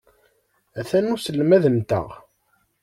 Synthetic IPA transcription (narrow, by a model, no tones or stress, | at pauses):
æθænusəlːmæðəmt̪ə̰ʁ